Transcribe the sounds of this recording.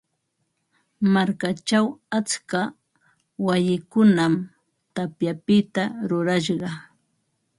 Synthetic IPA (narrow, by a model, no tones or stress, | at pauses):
maɾkat͡ʃawat͡ska | wajɪkʊnam | t̪apjapɪt̪aɾʊɾaʃɢɑ